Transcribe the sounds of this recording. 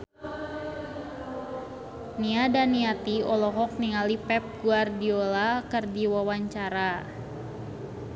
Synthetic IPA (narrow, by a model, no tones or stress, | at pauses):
niadaniat̪iɔlɔɦɔk̚niŋalipɛp̚ɡuardiolakərdiwawaɲt͡ʃaɾa